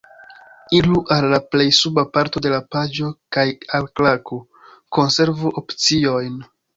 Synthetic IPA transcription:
iluʔalːaple̞jsubapaɾto̞de̞lapad͡ʒo̞kajalklako | ko̞nse̞ɾvuʔopt͡sio̞jn

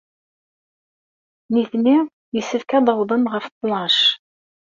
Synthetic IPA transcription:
niθniʁ | jəsːəfkæd̪ˤɑwðˤənʁəft̪ˤːlɑʃ

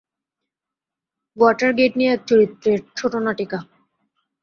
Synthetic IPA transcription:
ɡwɔʈaɾɡeʈnijeɛk̚t͡ɕoɾit̪ːɾeɾt͡ɕʰoʈonaʈeka

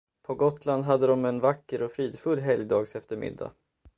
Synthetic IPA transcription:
pʰɔɡɔt̪land̪ɦad̪ːəd̪ɔmɛnvakːəɾɔfɾiːd̪fɵlːɦɛljd̪ɑːɡsɛft̪əɾmɪ̰d̪ːa̰

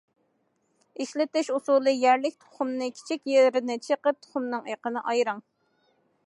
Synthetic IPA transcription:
iʃlɪt̪ɪʃusulˠɨjæɾlɪk̚ʲt̪ʰo̥χʊmnɨkʲʰi̥t͡ʃʰikʲjeɾɪnɪt͡ʃʰəqəp̚t̪ʰo̥χʊmnɨŋeqənɨʔɑjɾɑŋ

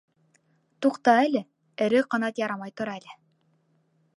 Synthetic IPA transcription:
t̪uqt̪ɑælʲɘ | ɘ̆ɾɘqɤ̆nɑt̪jɑɾɑmɑjt̪ŏɾɑælʲɘ

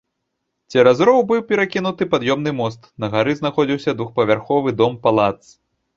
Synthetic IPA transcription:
t͡sʲɛɾazɾɔwbɨwpʲɛɾakʲinut̪ɨpad̪jɔmnɨmɔst̪nɐɣaɾɨznaxɔd͡zʲiwsʲɐd̪vuxpɐvʲarxɔvɨd̪ɔmpalˠat̪s

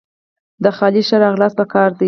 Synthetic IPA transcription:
d̪əxɑliʃaɾɑɣlɑspəkɑɾd̪i

